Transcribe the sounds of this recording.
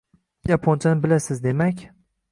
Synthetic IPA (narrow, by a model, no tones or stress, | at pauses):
japʰont͡ʃʰanɪbɪlasɪzd̪e̞makʲ